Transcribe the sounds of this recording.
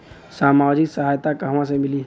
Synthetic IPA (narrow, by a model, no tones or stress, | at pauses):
saːmaːd͡ʒɪksəɦaːjt̪akɐɦmãsemɪli